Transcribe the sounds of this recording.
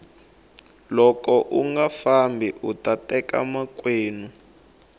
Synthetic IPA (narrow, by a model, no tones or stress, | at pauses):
lɔkɔʔuŋɡafambʱiʔutʼatɛka̰makweːnu